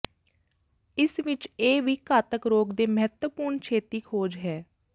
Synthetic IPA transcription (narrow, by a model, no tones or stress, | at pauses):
ɪsʋɪt͡ʃeːʋiːkaːt̪əkɾoːɡd̪eːməɦət̪wəpuːɾɳt͡ʃʰeːt̪iːkʰoːd͡ʒɦɛː